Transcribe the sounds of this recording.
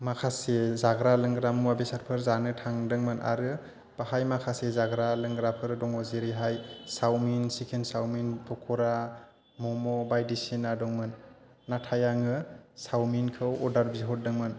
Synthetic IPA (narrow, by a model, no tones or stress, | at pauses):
makʰasezaɡɾalɯŋɡɾamuwabisaɾpʰɯɾzanɯtʰaŋdɯŋmɯnʔa̰ɾɯ | b̥ahajmakʰasezaɡɾalɯŋɡɾapʰɯɾdɔŋɔzeɾiɦajsawminsikʰensawminpʰɔkʰɔɾa | mɔmɔbajdisinadɔŋmɯnː | atʰajaŋɯsawminkʰɯwɔdaɾbiɦɔt̚dɯŋmɯn